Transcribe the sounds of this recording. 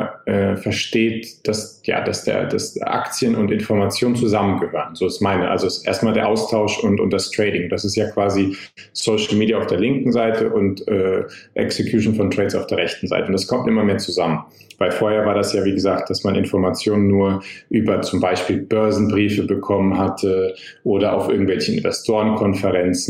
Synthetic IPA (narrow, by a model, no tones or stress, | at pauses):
ʔɛːfɛɐʃteːtd̥as | ja̰ːd̥asd̥ḛːɐda̰sʔa̰kt͡sjənʊntɪnfɔɐmat͡sjoːnənt͡suzamənɡəhøːʁənzoːsmaɪnəʔa̰lzoɛsʔḛːɐstmaːldeːɐʔaʊstʰaʊʃʊntʊ̰ntd̥astʁ̥ɛɪːɾɪŋd̥asɪstjaːkv̥aːzi | soʊʃl̩miːdjaaʊfd̥eːɐlɪŋkŋ̩zaɪtʰəʔʊntʔɛːʔɛ̰ksekʰjuːʃn̩fɔntʁ̥ɛːtt͡sa̰ʊfd̥eːɐʁɛçtn̩za̰ɪtəʊntd̥askʰɔmtʔɪmɐmeːɐt͡suzamən | vaɪlfoːɐheːɐvaːɐdasjaːviːɡəzaːk̚t̚d̥asmanʔɪ̰nfɔɐmat͡sjoːnənːuːɐʔyːbɐt͡sʊmbaɪʃpiːlb̥œɐzn̩bʁiːfəbəkʰɔmənɦatʰə | ʔoːɾɐʔa̰ʊfʔɪ̰ɐɡŋ̩tvɛlçəɪ̰nvɛstʰoːʁənkʰɔnfəʁɛnt͡sn̩